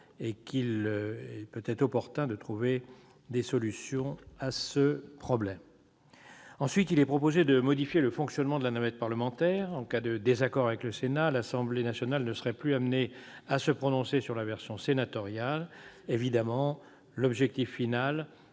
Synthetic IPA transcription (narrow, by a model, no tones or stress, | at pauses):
ekilɛpøt̪ɛt̪χɔpɔʁt̪ɛ̃d̪ət̪χuve | d̪esɔlysjɔ̃asəpχɔblɛm | ɑ̃sɥit̪ilɛpχɔpozed̪əmɔd̪ifjeləfɔ̃ksjɔnmɑ̃d̪əlanavɛt̪̚paʁləmɑ̃t̪ɛʁɑ̃kad̪əd̪ezakɔʁavɛkləsenalasɑ̃blenasjɔnalnəsəʁɛplyamneasəpχɔnɔ̃sesyʁlavɛʁsjɔ̃senat̪ɔʁjalevid̪amɑ̃ | lɔbʒɛk̚t̪ifːinal